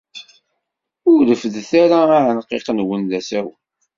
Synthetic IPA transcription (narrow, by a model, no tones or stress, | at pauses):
ʊɾləfðθaɾaʕənqːeqnwənðæsæw